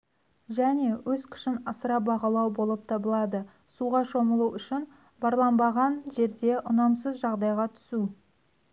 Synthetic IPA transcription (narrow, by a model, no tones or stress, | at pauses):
ʒæne̞wʔɵzkʲʰɪ̥ʃɪnɑsəɾɑbɑʁɑlˠɑwbo̞lˠəp̚t̪ʰɑbəlˠɑd̪ə | suʁɑʃo̞məlˠuʏʃɪn | bɑɾlˠɑnbɑʁɑnʒe̞ɾd̪e̞ʔʊnɑmsəzʒɑʁd̪ɑjʁɑt̪ʰʏ̥su